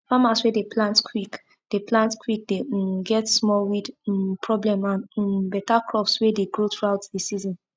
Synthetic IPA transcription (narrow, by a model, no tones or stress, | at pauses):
famaswedeplãntkʰwik | d̥eplãntkʰwik̚deɡɛtsmɔlwidpʰɹɔblɛ̃mãnbɛtakɹɔpswedeɡɹotɹuaʊtdisizɔ̃n